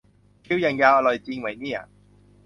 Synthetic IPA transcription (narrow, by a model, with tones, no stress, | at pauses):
kʰiː˥wjɐ˨˩nkaː˧ɔː˧˩lɔː˨˩jt͡siː˧ŋwɐ˨jniː˥a̰ː˨